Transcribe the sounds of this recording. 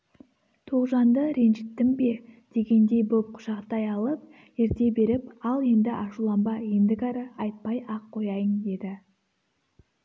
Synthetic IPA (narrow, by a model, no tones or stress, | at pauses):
t̪ʰoʁʒɑnd̪əɾe̞nʒɪt̪ːɪmbe̞d̪̥e̞ɡʲe̞nd̪e̞jbʊlˠp̚qʰʊ̥ʃɑqt̪ɑjɑlˠəp̚ | eɾt̪e̞be̞ɾɪpɑlˠe̞nd̪ɪʔɑʃulˠɑmbɑend̪ɪkɑɾəɑjt̪̚pɑjɑqʰːo̞jɑjəŋd̪e̞d̪ɪ